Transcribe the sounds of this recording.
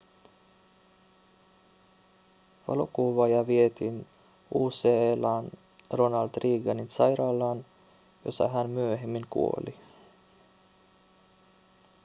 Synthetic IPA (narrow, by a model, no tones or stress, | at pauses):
ʋɑ̰lokuʋɑjɑʋie̞t̪in | uːselɑn | ro̞nɑlt̪riːɡɑninsɑjɾɑːlːɑːn | jo̞̰sɑ̰ɦænmyøɦemːiŋkṵo̞̰li